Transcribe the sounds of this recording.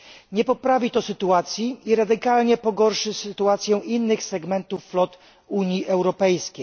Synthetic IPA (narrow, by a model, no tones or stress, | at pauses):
ɲɛpɔpɾavʲit̪ɔsɘt̪uat̪sʲjiːɾad̪ɘkalɲɛpɔɡɔɾʂɘsɘt̪uat̪sʲjɛ̃ʔinːɘxsɛɡmɛnt̪ufːlɔt̪ | uɲjiʔɛwɾɔpɛjskʲej